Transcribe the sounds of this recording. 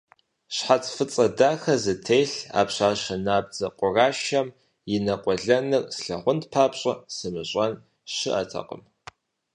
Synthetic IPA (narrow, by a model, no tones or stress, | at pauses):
ɕħat͡sʰʼfɨt͡sʼɐdaːxɐzɨtʰejɬa̰ːpɕaːɕɐnaːb̚d͡zɐqʷʼʊraːʃɐm | jɪnɐqʷʼɔɮɐnɨrsɬɐʁʷʊntpʰaːpɕʼɐsɨmɨɕʼɐn | ɕɪʔɐ̰tʰɐ̰qʼə̰m